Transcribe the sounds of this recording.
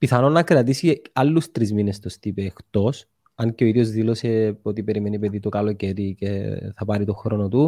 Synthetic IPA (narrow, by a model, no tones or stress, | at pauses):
piθɐno̞nːɐkɾɐt̪isiɐlːust̪ɾizminest̪ost̪ipeːxt̪o̞s | ɐɲceo̞iðjozðilo̞se̞ot̪ipe̞ɾime̞nipeðit̪okɐlo̞ce̞ɾiceθɐpɐɾit̪o̞xɾo̞not̪u